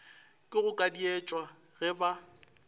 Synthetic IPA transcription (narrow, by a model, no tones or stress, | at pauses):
kʼɪɣʊkʼadiet͡ʃʼwa | ɣɛba